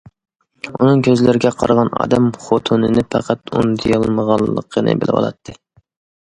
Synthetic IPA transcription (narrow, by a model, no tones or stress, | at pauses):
unɨŋkʲʰøzlɪɾɪɡʲɛqʰɑɾʁɑnɑ̰ːd̪ɛmχot̪ʰunɨnɪpʰæqʰæt̪und̪ijɑlˠməʁɑlˠːə̰qʰːənɨ̰bɪlɪwɑ̰lˠɑ̰t̪ʰːɨ